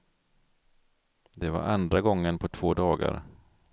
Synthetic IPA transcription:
d̪ɛva̰ɾʔand̪ɾaɡɔŋːənpʰɔt̪ʰv̥oːd̪ɑːɡa̰ɾ

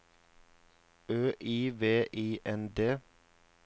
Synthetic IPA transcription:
øːʔiːʋeːʔiːʔɛnd̪eː

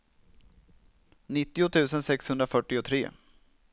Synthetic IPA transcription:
nɪt̪ːɪʊt̪ʰʉ̟ːsənsɛkshɵnd̪ɾafœʈːɪʊt̪ʰɾḛː

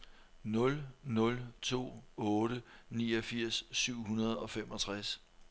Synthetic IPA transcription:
nɔ̽lnɔ̽lt͡sʰo̝̰ːɔ̽ːɾ̥əniːɒ̽fiɐ̰sːyʊ̰ɦunɐð̞̩ˠɒ̽femɒ̽t͡sʰʁas

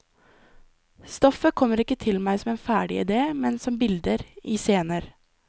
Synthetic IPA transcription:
st̪ɔfəkʰɔmːəɾɪkːət̪ʰɪlmæɪsɔmeːnfæːɖɪ̰ɪ̰d̪eːmɛnsɔmbɪld̪əɾʔiːseːnəɾ

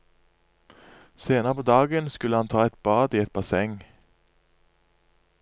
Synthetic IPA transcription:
seːnəʁəpʰoːd̪ɑːɡənskʉləhɑnt̪ʰɑːɛt̪̚bɑːd̪iːɛt̪̚bɑsɛŋ

